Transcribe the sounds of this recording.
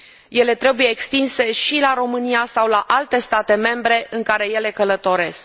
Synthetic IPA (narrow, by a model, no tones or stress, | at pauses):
je̞le̞t̪ɾe̞buje̞ːkst̪inse̞ʃilaɾo̞mɨniasawlaʔalt̪e̞st̪at̪e̞me̞mbɾe̞ʔɨŋkaɾe̞je̞le̞kələt̪o̞ɾe̞sk